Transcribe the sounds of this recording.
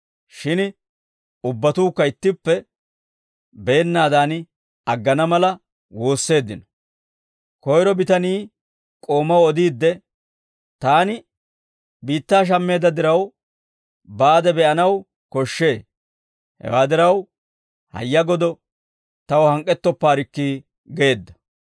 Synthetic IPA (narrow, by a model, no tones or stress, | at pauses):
ʃɪn | ʊbːɐt̪uːkːɐɪt̪ːɪpːɛ | beːnːaːd̪aːnɪ | ɐɡːɐnɐmɐlɐ | wo̞ːsːe̞ːd̪ːɪnɔ̥ | kɔjɾɔbɪt̪ɐniː | kʼo̞ːmɐwɔd̪iːd̪ːɛ | t̪aːnɪ | biːt̪ːaːʃ̬ɐmːe̞ːd̪ɐd̪ɪɾɐw | baːd̪ɛbɛʔɐnɐw | kɔʃːe̞ː | hɛ̰waːd̪ɪɾɐw | hɐ̰jːɐɡɔd̪ɔ | t̪ɐwɔhɐŋkʼːɛt̪ːɔpːaːɾɪkːi | ɡe̞ːd̪ːɐ̥